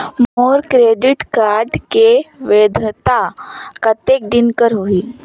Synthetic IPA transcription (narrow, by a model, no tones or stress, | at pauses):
moɾkɾeɖiʈkaɾɖkeʋed̪ʱt̪akət̪ek̚d̪inkəɾɦoiː